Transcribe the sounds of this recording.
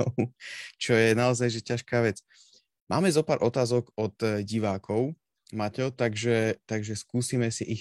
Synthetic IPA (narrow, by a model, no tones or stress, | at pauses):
t͡ʃɔjɛnaɔzajʒɛcaʃkaːʋɛt͡s | ma̰ːmɛzɔpaːɾʔɔt̪aːzɔɡɔt̪ɟiʋaːkʰɔʊ | macɛt̪aɡʒɛt̪aɡʒɛskuːsiːmɛsiʔi